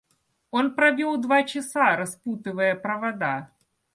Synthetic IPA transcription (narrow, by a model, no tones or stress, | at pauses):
onpɾɐvʲɔlˠd̪vat͡ɕɪsaɾɐsput̪ɨvəjəpɾɐvad̪a